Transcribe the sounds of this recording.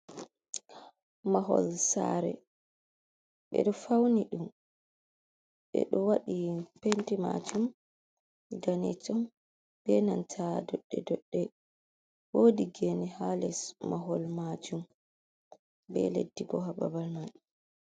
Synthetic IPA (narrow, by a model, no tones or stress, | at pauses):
maɦɔ̰lsaɾɛ̰ | ɓɛ̰ɗɔfawniɗum | ɓɛ̰ɗɔwaɗipentima̰d͡ʒum | danɛt͡ʃɔm | b̥ɛnantʰadɔɗːɛ̰dɔɗːɛ | woːdiɡenihalɛsmaɦɔlmad͡ʒum | bɛ̰ledːiɡɔɦaba̰balman